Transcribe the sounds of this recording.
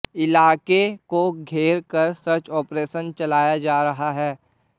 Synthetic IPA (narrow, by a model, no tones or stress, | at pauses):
ɪlaːkekoɡʱeːɾkɐɾsɐt͡ʃɔːpɾeːʃənt͡ʃɐlaːjad͡ʒaːɾɐɦaɦɛː